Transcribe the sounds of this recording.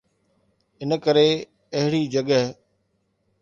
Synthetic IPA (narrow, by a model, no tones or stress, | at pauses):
ɪnəkəɾe | ɐɦɪɽiːd͡ʒəɠəɦ